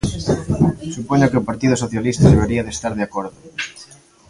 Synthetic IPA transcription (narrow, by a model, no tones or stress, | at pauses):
supoɲokeopaɾt̪iðʊsoθjalist̪ɐðeβeɾiaðest̪aɾð̞eakoɾðʊ